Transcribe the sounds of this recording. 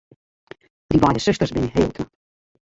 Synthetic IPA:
dibajdəsʏstərsbɪnəɦeːlˠkʰnap

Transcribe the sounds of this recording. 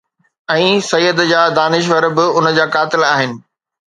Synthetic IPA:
ɛ̃ːsɐjːəd̪d͡ʑaːd̪aːnɪʃ̬ʋəɾbɪʊnə̆d͡ʑaːkaːt̪ɪlaːɦɪnɪ̆

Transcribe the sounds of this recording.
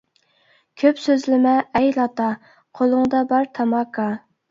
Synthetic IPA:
kʲʰøpsøzlɪmɛɛjlˠɑt̪ɑ | qʰolˠʊŋd̪ɑbɑɾt̪ʰɑmɑkʰɑ

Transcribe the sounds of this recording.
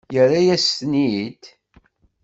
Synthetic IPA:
jərajæstnid̪

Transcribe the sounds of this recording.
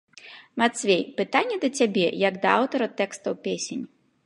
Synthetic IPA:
mat̪svʲejpɨt̪anʲːɛd̪ɐt͡sʲabʲɛ̰jɐɡd̪ɐawt̪ɐɾɐt̪ɛkst̪ɐwpʲesʲenʲ

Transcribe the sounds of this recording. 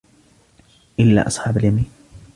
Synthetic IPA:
ʔɪlːa̰ːʔɑsˤħɑːblamiː

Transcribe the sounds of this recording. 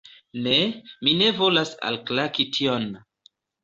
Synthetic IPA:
nemine̞vo̞lasa̰lklakitʰion

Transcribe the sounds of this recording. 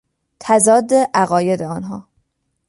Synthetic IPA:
t̪ʰæzɒːd̪ːeʔæɣɒːje̞d̪eɒːnɦɒ̰ː

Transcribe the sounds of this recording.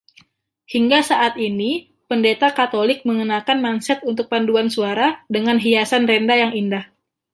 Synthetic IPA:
hiŋɡasaʔat̪ini | pəndet̪akat̪olɪk̚məŋənakanmansɛt̪̚unt̪̬ʊk̚panduansuaɾadəŋanɦiasanrendajaŋindah

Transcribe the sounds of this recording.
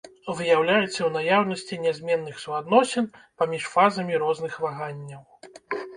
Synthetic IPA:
vɨjawlʲajɛt̪sːɐwnajawnɐsʲt͡sʲinʲɛzʲmʲɛnːɨxsuad̪nɔsʲɛnpamʲiʂfazɐmʲiɾɔznɨxvaɣanʲːɐw

